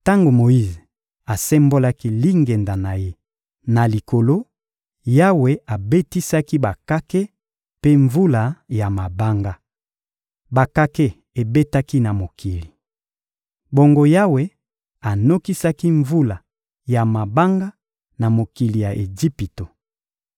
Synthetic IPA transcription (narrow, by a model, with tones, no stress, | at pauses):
ta˦ŋɡo˨mo˨ji˦ze˨ | a˨sɛ˦mbo˦la˦ki˦li˦ŋɡe˨nda˨na˨je˦ | na˨li˨ko˨lo˦ | ja˦we˦a˨be˦ti˦sa˦ki˦ba˨ka˦ke˦ | pe˦ɱvu˦la˨ja˨ma˨ba˦ŋɡa˦ | ba˨ka˦ke˦ | e˨be˦ta˦ki˦na˨mo˨kʰi˨li˨ | bo˦ŋɡo˦ja˦we˦ | a˨no˦ki˦sa˦ki˦ɱvu˦la˨ | ja˨ma˨ba˦ŋɡa˦ | na˨mo˨ki˨li˨ja˨ʔe˨d͡ʒi˦pi˨to˨